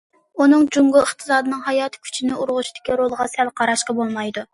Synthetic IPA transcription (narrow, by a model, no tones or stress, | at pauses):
unɨŋd͡ʒuŋɡʊəχt̪ʰɨ̥sɑːd̪ɨnɨŋɦɑjɑːt̪ʰɨ̥kʲʰy̥t͡ʃʰinɪuɾʁʊʃid̪̥ɪkʲiɾolˠəʁɑsɛlqʰɑɾɑʃqɑbolˠmɑjd̪u